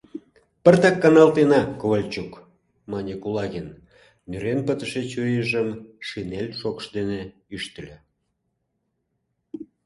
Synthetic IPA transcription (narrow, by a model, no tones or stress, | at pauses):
pərt̪ɑkːɑnɑlt̪enɑkoβəlʲt͡ɕuk | mɑnʲikulɑɣen | myɾenpət̪əʃet͡ɕøjəʒəmʃinelʲʃokʃd̪eneyʃt̪əlʲe